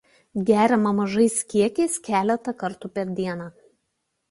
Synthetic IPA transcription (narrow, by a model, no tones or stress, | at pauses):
ɡʲæːɾʲɛmɐmɐʒɐɪsʲkʲiɛkʲɛɪskʲæːlʲɛt̪ɐkɐɾt̪ʊpʲɛɾʲd̪ʲiɛnɑː